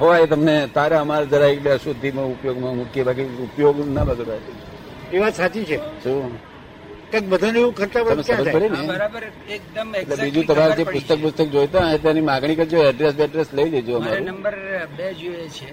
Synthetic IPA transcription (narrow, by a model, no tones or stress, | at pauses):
ɦoet̪əmnet̪aɾeəmaɾad͡ʒəɾaekbeəʃud̪ʱːimãupjoɡmãmukjebak̬iupjoɡnabəd̪ʱabati | keʋasat͡ʃit͡ʃʰeʃũ | kãk̚bəd̪ʱaneʋũkʰəɾt̪apəɾəmesaə̃apəɽineɾbəɾkd̪meʈlebid͡ʒũt̪əmaɾd͡ʒepʊst̪ək̚pust̪ək̚d͡ʒojt̪aɦẽt̪janimãɡɽ̃ikəɾd͡ʒoəɖɾesbeəɖɾesləid͡ʒəd͡ʒoəmaɾuəmbəɾbed͡ʒoet͡ʃʰe